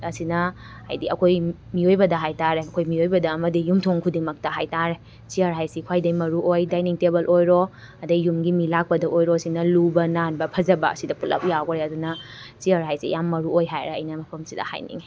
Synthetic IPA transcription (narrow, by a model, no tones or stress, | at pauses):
ɐsinɐ | ha̰jdiɐkʰoj | miojbɐdɐɦajtaɾeɐkʰojmiojbɐdɐːmɐdijumtʰoŋkʰudimɐk̚tɐɦajtaɾe | t͡ʃiaɾɦajsikʰwajdɐjmɐɾuojdajniŋtebɐlʔojɾo | ɐdɐjumɡimilak̚pɐdɐʔojɾoɐsinɐlubɐnanbɐpʰɐd͡ʒɐbɐɐ̰sidɐpulɐ̰p̚jawkɾeɐdunɐ | t͡ʃiɐɾɦajsḭjamːɐɾuojɦajɾeɐ̰jnɐmɐpʰɐmsidɐ̰ha̰jnḭŋ